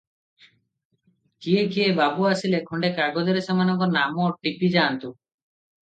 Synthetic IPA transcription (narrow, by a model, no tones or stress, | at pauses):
kiekiebabuasilekʰɔɳɖekaɡɔd͡ʒɔɾesamanɔŋkɔɾnamɔʈipid͡ʒaːnt̪u